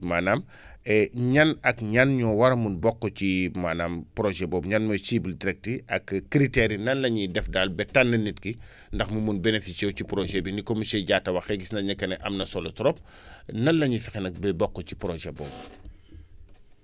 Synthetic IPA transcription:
maːnam | ɛɲɐnɐkɲanɲɔwɐɾɐmunbɔkːɔcimaːnaːmpɾɔʒɛbɔːbɲanmɔsiːbildiɾɛk̚tiʔɐkːɾitɛɾinɐnlɐɲidɛfdalbɛtandɐnitki | ndɐxmumunbenefisɛwcipɾɔʒɛbinikɔmisɛɟaːtːɐwɐxɛɡisnɐɲɐkːɐnɛʔɐ̰mnɐsɔlɔtɾɔp̚ | nɐnlɐɲifɛxɛnɐk̚bɛbɔkːɔci̥pɾɔʒɛbɔ̰ːb

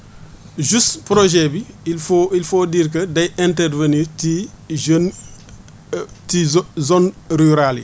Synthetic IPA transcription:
ʒustpɾoʒɛbi | ilfoːdiːrk̬ɐdɐjɛntɛrveniti | tizɔnryɾalḭ

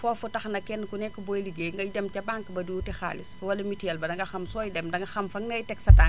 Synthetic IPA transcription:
fɔːfɔtɐxnɐkɛnkunɛkːɔbɔjliɡeŋɡɐjdɛmcɐbaŋkbɐdutɛxa̰ːliswɐlɐmitɛlbɐdɐŋɡɐxɐmsɔːjdɛmdɐŋɡɐxɐmfɐŋnɐjtɛksɐta

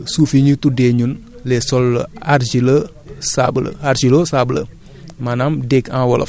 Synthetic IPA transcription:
sufiɲitudeɲunlɛsɔlːaɾd͡ʒilə | sablə̰aɾsilosablə̰ | manamdekãwɔlʔɐ̰f

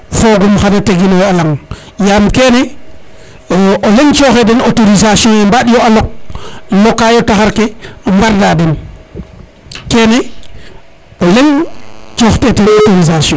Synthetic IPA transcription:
foɡumxanateɡinoalaŋ | jamkene | ʔoleŋt͡ʃoxedɛnotoɾizasiɔ̃embaɗjoalok̚lokːajotaxaɾkembaɾdadɛn | keːne | oleŋt͡ʃoːxtetenottoɾizasjɔ̃

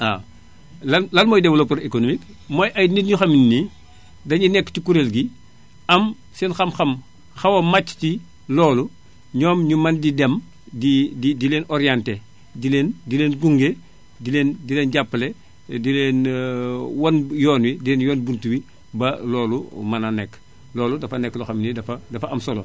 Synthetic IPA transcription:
a | lɐlɐlmɔjdɛwlopɐɾekonomik | mojʔɐjnitɲuxɐminːi | dɐɲunɛkːtikuɾelɡi | ɐm | sinxɐmxɐm | xɐwɐmat͡ʃːti | lɔːlu | ɲɔːmɲumɐndidɛm | dididileːnɔɾijante | dileːndileːnɡuŋɡe | dilendileːnɟapːle | dileːn | wɐnjɔːnwidileːnjɔːnbuntuwi | bɐlɔːlumɐnɐnɛkː | lɔːludɐfɐnɛkːluxɐmnidɐfɐdɐfɐɐmsɔlo̰

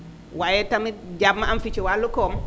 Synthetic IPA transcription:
wajɛtamid͡ʒabmːaamfit͡ʃɔwalːukɔm

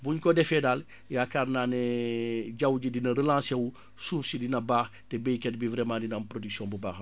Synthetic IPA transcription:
buɲkɔdɛfɛdal | jakaːɾnaːnɛ | ɟawɟidinɐɾəlãːsewu | suːfsidinɐbaːx | tɛbejkɛt̚bivɾɛmãːdinampɾodiksiɔ̃mbubaːx

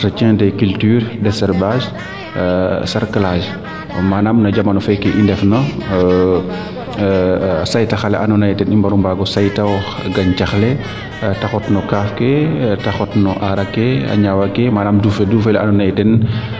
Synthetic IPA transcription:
tɐt͡ʃɛ̃ːdɛkyltyːɾdɛsɛɾbaʃ | saɾkalaʒ | manamnɐd͡ʒɐmɐnɔfɛkɛʔindɛfnɐ | sajtɐxalɛ̰ʔanɔnajtɛnimbɐɾumbaɡɔsajtawɔx | ɡɐɲcaxlɛ | taxɔtnɔkaːfkɛtaxɔtnɔʔaɾɐkːɛa̰ɲawakːɛmaːnamdufɛduːfɛla̰nɔnajtɛn

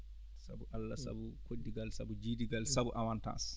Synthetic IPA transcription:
sa̰buʔalːasa̰bukodːiɡalsa̰bud͡ʒiːdiɡalsabuʔawanta̰ːs

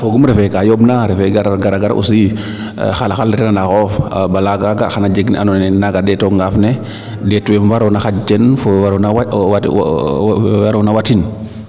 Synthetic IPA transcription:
foɡumɾɛfɛkajobnaɾɛfɛɡaɾɡaɾaɡaɾʔṵsḭ | xalaxalditɛnanaxɔfbalaɡaɡaxanad͡ʒeɡnḭʔanɔnɛnaɡadɛtoŋɡafnɛ | dɛtuwɛmwaɾownaxat͡ʃɛnfowaɾnawawa | waɾonawatin

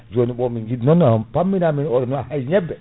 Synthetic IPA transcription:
d͡ʒoniɓɔmiŋɡidnɔnːapamːinaminɔɗɔnɔhajɲɛbːɛ

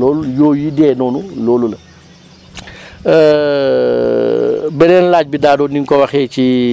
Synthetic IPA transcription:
ɔːlujɔːjidɛːnɔːnulɔːlulɐ | bɛnɛːnlaːc̚bidaːdɔːniŋkɔwɐxɛːci

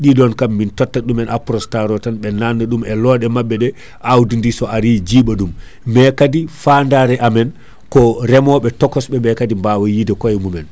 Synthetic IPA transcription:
ɗidɔnkamːintɔtːaɗumɛnapɾɔstaɾɔtanɓɛnanːaɗumɛlɔːɗɛmabːɛɗɛ | ʔawdindisɔʔaɾid͡ʒiːɓaɗum | mɛkadifandaɾɛʔamɛn | kɔɾɛmɔɓɛtɔkːɔsɓɛmɛkadimbawɔjidɛkɔjɛmumɛn

